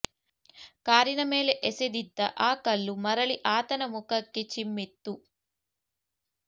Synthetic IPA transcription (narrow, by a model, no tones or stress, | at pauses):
kaːɾinɐmeːleʔesed̪id̪ːɐʔaːkɐlːumɐɾɐɭiʔaːt̪ɐnɐmukɐkːit͡ʃimːet̪ːu